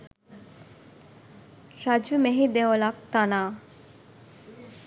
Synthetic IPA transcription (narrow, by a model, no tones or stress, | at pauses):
ɾad͡ʒumeɦid̪eʋolak̚t̪anaː